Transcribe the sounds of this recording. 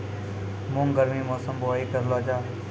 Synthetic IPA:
moːŋɡəɾmiːmoːsəmboːiːkəɾloːd͡ʒaː

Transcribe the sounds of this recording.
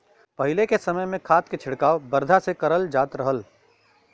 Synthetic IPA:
pɐɦɪlekesɐməjmẽkʰaːt̪ket͡ʃʰɪɽkaːʋbɐɾd̪ʱasekɐɾəld͡ʒaːt̪ɾɐɦəl

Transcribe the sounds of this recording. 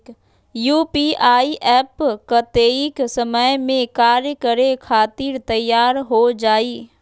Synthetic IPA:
juːpiaːiʔɛːpkət̪eːiksəməjmẽkaːɾjəkəɾekʰaːt̪iːɾt̪əjːaːɾɦod͡ʒaːiː

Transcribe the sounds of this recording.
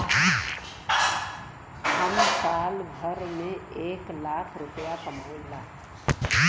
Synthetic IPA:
ʊnəsaːlbʱəɾmẽeːklaːkʰɾʊpjasəmbʱoːlːaː

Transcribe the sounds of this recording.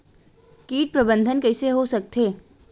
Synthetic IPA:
kiːʈ̚pɾɐbə̃nd̪ʱənkɛɪseɦosɐk̚t̪ʰeː

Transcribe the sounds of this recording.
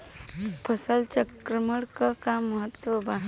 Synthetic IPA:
pʰəsəlt͡ʃəkɾəməɽkəkamːəɦət̪ːʋəbaɦ

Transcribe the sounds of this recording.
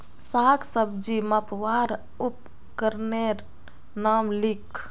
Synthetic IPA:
saksəbd͡ʒiməpʋaɾ | up | kəɾneɾ | namlikʰ

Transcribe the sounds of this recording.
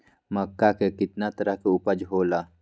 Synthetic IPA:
mɐkːakekɪt̪nat̪ɐɾaɦkeʊpəd͡ʒɦoːlaː

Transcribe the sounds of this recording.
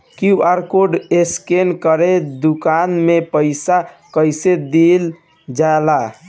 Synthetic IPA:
kiaɾkoɖeskenkəɾed̪ukanmepəɪsa | kəjsed̪il | d͡ʒaela

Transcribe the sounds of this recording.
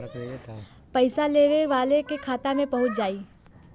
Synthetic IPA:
pəɪsaleːʋeʋaːlekekʰaːt̪amẽpɐɦʊt̪̚d͡ʒaːiː

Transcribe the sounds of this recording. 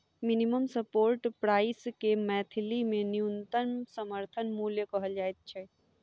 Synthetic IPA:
miniməmsəpoːɾʈpɾaːɪskemɛːt̪ʰilimẽniunt̪ənsəməɾt̪ʰənmuljəkəɦəld͡ʒaːet̪̚t͡ʃʰɛ

